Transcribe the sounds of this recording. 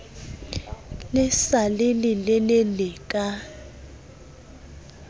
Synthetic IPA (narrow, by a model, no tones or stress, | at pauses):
lɛsalelilɛlɛlɛkʼa